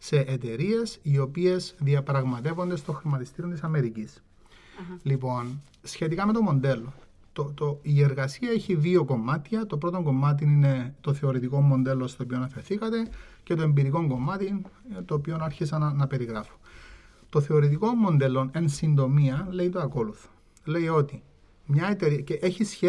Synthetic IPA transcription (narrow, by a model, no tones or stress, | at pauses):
se̞ʔet̪e̞ɾie̞sio̞pie̞zðiɐpɾɐɣmɐt̪evo̞nd̪e̞st̪oxɾimɐt̪ist̪iɾiont̪isɐme̞ɾicis | lipo̞n | sçe̞t̪ikɐme̞t̪o̞mo̞nd̪e̞lːo̞ | t̪ot̪oieɾɣɐsiɐeçiðio̞ko̞mɐt̪çɐt̪o̞pɾo̞t̪o̞ŋɡo̞mːɐt̪̬inine̞t̪o̞θe̞o̞ɾit̪iko̞mːo̞nd̪e̞lːo̞st̪oːpionɐfe̞ɾθikɐt̪e̞ | ce̞t̪o̞e̞mbiɾiko̞ŋɡo̞mɐt̪int̪oːpio̞nɐɾçisɐnnɐpe̞ɾiɣɾɐfo̥ | t̪o̞θe̞o̞ɾit̪̬iko̞mːo̞nd̪e̞lːo̞ne̞nsind̪o̞miɐle̞it̪oɐko̞luθo̥ | le̞io̞t̪i | mɲɐet̪eɾiceʔeçisçe